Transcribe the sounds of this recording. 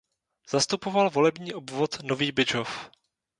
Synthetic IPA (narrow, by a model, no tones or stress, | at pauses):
z̥ast̪upovalvo̞lɛbɲiːʔobvot̪noviːbɪd͡ʒof